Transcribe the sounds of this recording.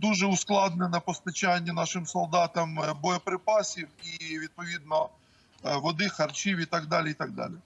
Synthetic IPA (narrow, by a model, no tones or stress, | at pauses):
d̪uʒɛʊsklˠɑd̪nɛnɐpɔst̪ɐt͡ʃanʲːɐnɑʃɪmsɔlˠd̪ɑt̪ɐmbɔjɔpɾɪpɑsʲiwiʋʲid̪̚pɔʋʲid̪̚nɔ | ʋɔd̪ɪxɐrt͡ʃiwit̪ɑɡd̪ɑlʲiit̪ɑɡ̚d̪ɑ̰lʲi